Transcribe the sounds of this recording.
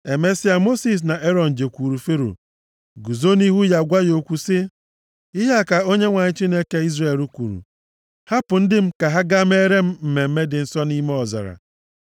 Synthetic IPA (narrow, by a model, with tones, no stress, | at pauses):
e˨me˦si˦a˨mo˦si˨s̬na˨ʔe˦ɾɔ˨n̩˨d͡ʒe˨kʷu˨ɾu˨fe˦ɾo̰˨ | ɡu˨zo˦ni˦ɦu˦ja˨ɡʷa˦jo˨kʷu˦sɪ˦ | i˦ɦe˦a˦˨ka˨o˦ɲe˦ŋʷa˨ɲɪ˦t͡ʃi˦ne˦ke˦i˦zre˨lu˦kʷṵ˨ɾṵ˨ | ha˦pʊ˨n̩˦dɪ˦m̩˦ka˨ɦa˦ɡa˦m̩˦e˦ɾe˦m̩˦m̩˨me˨m̩˦me˦dɪ˨n̩˦sɔ˦ni˦me˦ɔ˨za̰˨ɾa̰˨